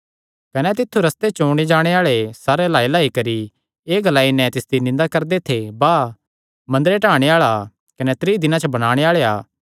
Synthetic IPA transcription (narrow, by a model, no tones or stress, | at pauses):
kɐnɛt̪ɪt̪ʰːuɾɐst̪et͡ʃoːɽ̃id͡ʒaːɽ̃eaːɭesaːɾelaːelaːikɐɾi | eːɡɐlaːinɛ̃t̪ɪsd̪inɪ̃nd̪akɐɾd̪et̪ʰebaː | mɐ̃nd̪əɾeʈaːɽ̃eaːɭa | kɐnɛt̪ɾiːd̪ɪnãt͡ʃɐbɐɽ̃aːɽ̃eaːɭeaː